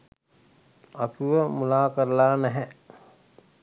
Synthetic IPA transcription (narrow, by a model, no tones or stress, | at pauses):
akuʋəmulaːkəɾəlaːnæɦɛ